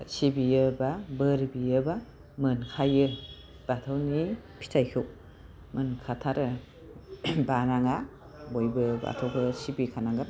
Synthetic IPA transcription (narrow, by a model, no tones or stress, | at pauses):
sibijɯbabɯɾbijɯba | mɯnkʰajɯ | b̥atʰɯwnipʰi̥tʰajkʰɯw | mɯnkʰatʰaɾɯ | banaŋa | bojbɯba̰tʰɔwbɯsibikʰanaŋɡɯ